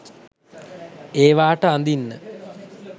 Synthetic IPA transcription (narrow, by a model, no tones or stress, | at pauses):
eːʋaːʈəand̪inːə